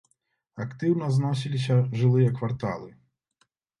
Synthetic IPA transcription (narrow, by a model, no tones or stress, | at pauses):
ɐkt̪ɨwnɐznɔs̬ʲilʲis̬ʲɐʐɨlˠɨjɐkvart̪a̰lˠɨ